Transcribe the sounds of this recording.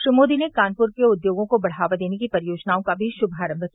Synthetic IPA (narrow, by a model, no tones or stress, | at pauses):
ʃɾimoːd̪inekaːnpʊɾkeʊd̪joːɡõkobɐɽ̤aːʋad̪eːnekipɐɾijoːd͡ʒnaːõkabʱiʃʊbʱaːɾə̃mbʱəki